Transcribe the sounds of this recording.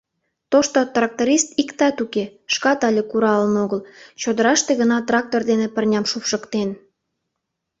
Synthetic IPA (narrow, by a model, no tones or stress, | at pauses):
t̪oʃt̪ot̪rɑk̚t̪oɾʲist̪ikt̪ɑt̪ukeʃkɑt̪ɑlʲekuɾɑlənoɣəlt͡ɕod̪əɾɑʃt̪eɣənɑt̪rɑk̚t̪ord̪enepərnʲɑmʃupʃəkt̪en